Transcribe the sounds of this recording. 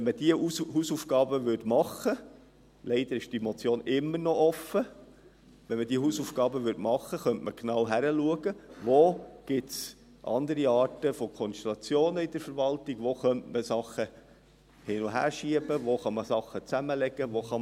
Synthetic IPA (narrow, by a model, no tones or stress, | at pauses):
ʋɛnməd̥iəuhusuːfɡɑːbəʋʏtmɑχə | lɛɪd̪əɾɪʃd̥imɔt͡sjoːnɪmːəɾnɔʔɔfə | ʋɛnmədiəɦusuːfɡɑːbəʋʏɾtmɑχːəχœntməknɑwɦæɾəluəɡ̥əʋoːɡ̥ɪts | ʔɑ̰nd̪əɾiɑːɾtəfɔkʰɔnʃtelɑt͡sjoːnəid̥̪əɾfəɾvɑltɪɡ̥ʋoχœntməsɑχːə | hɪnʊɦæ̰ːɾʃiəbəʋoχɑməsɑχːət͡sæməlɛɡ̥əʋoχɑ